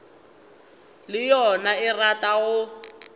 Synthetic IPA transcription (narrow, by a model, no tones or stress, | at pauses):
lɪjɔnaɪrataɣʊ